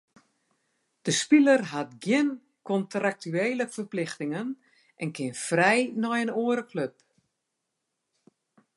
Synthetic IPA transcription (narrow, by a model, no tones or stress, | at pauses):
d̥əspilərɦatɡjɪn | kɔntrak̚tyeːləfərplɪxtɪŋən | ʔɛnkɪnfrɛjnɔjənoːəɾəkløp̚